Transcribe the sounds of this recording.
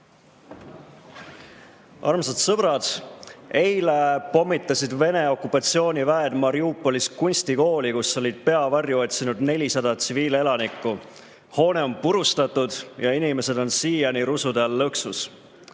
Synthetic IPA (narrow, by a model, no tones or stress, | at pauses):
ʔɑ̰rmsɑt̪sɤb̥rɑd̪̥e̞jlepo̞mːit̪ːˑɑsid̪ve̞ne̞o̞kːˑupːɑt̪sio̞ːnʲivæed̪mɑɾiupːˑo̞liskunʲsʲt̪iko̞ːlikusːo̞lʲid̪̥̚pe̞ɑvɑrjuo̞t̪sinud̪ne̞lʲisɑd̪̥ɑt̪siviːle̞lɑnikːˑu | ho̞ːne̞o̞mpuɾust̪ɑt̪ːud̪̥jɑinime̞se̞d̪o̞nsiːjɑniɾusud̪elːɤksus